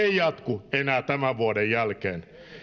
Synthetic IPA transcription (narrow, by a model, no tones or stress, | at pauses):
eijɑt̪kuenæːt̪æmæʋʋuodejjælkeːn